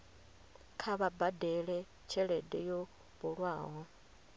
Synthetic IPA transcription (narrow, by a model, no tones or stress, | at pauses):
kʰaβabadɛɺɛ | t͡ʃʰɛɺɛdɛjo | βuɺwaːɦɔ